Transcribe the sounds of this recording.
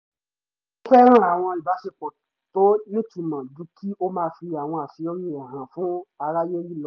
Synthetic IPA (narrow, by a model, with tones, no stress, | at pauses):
k͡pɛ˦ɾ̃ã˦a˨w̃ɔ̃˧i˨ba˨˦fi˧k͡pɔ˨ | to˦nĩ˦tu˨mã˨dũ˧˦kʰi˦o˦mãː˧˦fi˧a˨w̃ɔ̃˧a˨fi˧˦o˦ɾĩ˦˨ɾɛ˨ɦã˨fũ˦a˧ɾa˦je˦ji˦˨lɔ˦